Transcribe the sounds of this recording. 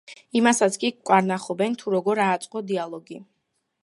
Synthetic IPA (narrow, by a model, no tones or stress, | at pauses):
imasat̪sʰkʼikʼwaɾnaχɔbɛnt̪ʰuɾɔɡɔɾaːt̪sʼqʼɔd̪ialˠɔɡi